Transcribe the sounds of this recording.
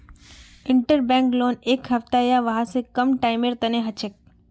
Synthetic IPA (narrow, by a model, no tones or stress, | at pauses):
ɪ̃ɳʈəɾbɛ̃ːŋkloːneːkɦɐft̪ajaʋɐɦãsekɐmʈaːɪmeːɾt̪ɐneɦɐt͡ʃɪk̚